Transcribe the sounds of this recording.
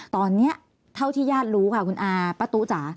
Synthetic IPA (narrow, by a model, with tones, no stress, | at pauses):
t̪ɔː˧nːi˦˥ɐ | t̪ʰa˥˩wt̪ʰiː˥˩jaː˥˩t̪̚ɾuː˦˥kʰa˥˩kʰu˧nʔaː˧pa˧t̪u˦˥t͡ɕaː˩˦